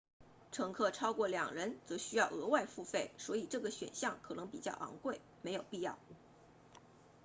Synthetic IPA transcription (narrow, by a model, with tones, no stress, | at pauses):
ʈ͡ʂʰɤ˧˥ŋkʰɤ˥˩ʈ͡ʂʰɑ˥ʊkwɔ˥˩ljɑ̰˨˩ŋɻə˧˥nt͡sɤ˧˥ɕy˥jɑ˥˩ʊɤ˧˥wa˥˧ɪfu˥˧fe˥˩ɪswɔ˧˥i˨˩ʈ͡ʂɤ˥˩ɡə˩ɕɥɛ̰˨˩nɕjɑ˥˩ŋkʰɤ˨˩nɤ˧˥ŋpi˨˩t͡ɕjɑ˥˩ʊʔɑ̰˧˥ŋkwe˥˩ɪme˧˥ɪjo˨˩ʊpi˥˧jɑ˥˩ʊ